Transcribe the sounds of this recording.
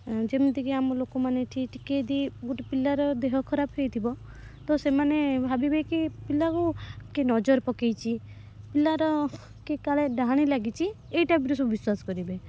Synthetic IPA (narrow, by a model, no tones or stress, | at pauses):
d͡ʒemd̪ikiamɔlokɔmaneʈʰiʈikejd̪iɡuʈipilaɾɔd̪eɦɔkʰɔɾabɦejt̪ʰibɔ | t̪ɔsemanebʱabibekipilakukenɔd͡ʒɔɾpɔkejt͡ʃʰi | pilaɾɔ | kekaɭeɖaɦaɽ̃ilaɡit͡ʃʰi | ejʈabiɾusɔubiswasɔ̥kɔɾibe